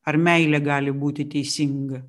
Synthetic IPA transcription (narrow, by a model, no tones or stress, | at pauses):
ɐɾmʲɛɪlʲɛɡɑːlʲɪbuːt̪ʲɪt̪ʲɛɪsʲɪŋɡɐ